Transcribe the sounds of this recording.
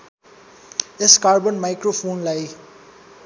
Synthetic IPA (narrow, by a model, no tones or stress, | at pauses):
ɪskaːɾbə̃nmaɪkɾofõːnlaj